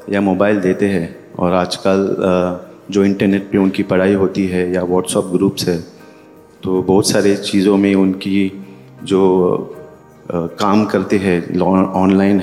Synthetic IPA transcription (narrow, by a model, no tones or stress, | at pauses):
jamoːbaːɪld̪eːt̪eɦɛ̃ː | ɔ̰ːɾaːd͡ʒkəl | d͡ʒoːɪ̃ɳʈəɾneːʈ̚peʊnkipɐɽ̤aːiɦoːt̪iɦɛjaʋɔːʈsɔːp̚ɡɾuːpsɦɛː | t̪oːbɔːʊt̪saːɾet͡ʃiːzõmẽʊnki | d͡ʒoː | kaːmkɐɾt̪eɦɛ̃lɔɔːnlaːɪnɦ